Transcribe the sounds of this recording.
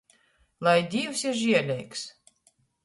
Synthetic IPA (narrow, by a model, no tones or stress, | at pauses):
lˠajd̪ʲiːwsʲiɾʒiɛlʲɛjks